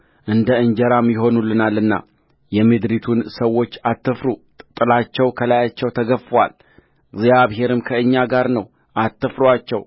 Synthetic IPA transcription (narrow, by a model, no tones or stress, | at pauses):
ʔɨnd̪əɨɲd͡ʒəɾamːiɦo̞nulːɨnalːɨnːa̰ | jɛmɨd̪ɾit̪ʰunsəwːo̞t͡ʃːat̪ːɨfɾut̪ʼɨt̪ʼːɨlat͡ʃːɛwkʰəlajat͡ʃːɛwt̪ʰəɡəfəwa̰l | ɡzjaβɦe̞ɾɨmkʰəɨɲːaɡaɾnəw | ʔat̪ːɨfɾuat͡ʃːɛw